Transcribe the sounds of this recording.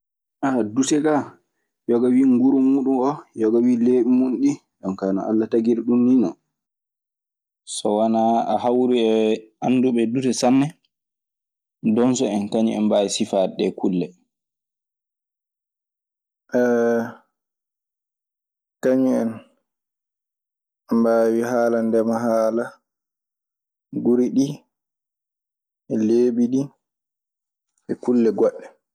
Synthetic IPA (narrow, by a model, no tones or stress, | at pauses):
ʔadutɛɡa | jɔɡawiːŋɡuɾumuːɗunʔɔjɔɡawileːɓimunɗi | ɗɔnkaːnɔ̰ʔa̰lːataɡiɾɗunːinɔ | sɔwanaa̰hawɾuɛanːduɓɛdutɛsanːɛ | dɔnsɔɛnkaɲḭɛ̰nbaisifaɗɛkulːɛ | kaɲiɛn | mbaːwiɦaːlandɛmaɦaːla | ɡuɾiɗi | ɛleːɓiɗi | ɛkulːɛɡɔɗːɛ